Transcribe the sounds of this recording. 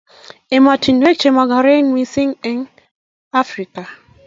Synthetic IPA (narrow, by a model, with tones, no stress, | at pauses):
e˨ma˨tʰi˨nwe˦k̚t͡ʃe˨mɔ˨ɡa˨ɾe˦nwi˦si˦ŋɛ˨ŋ | a˦fɾi˨ka˨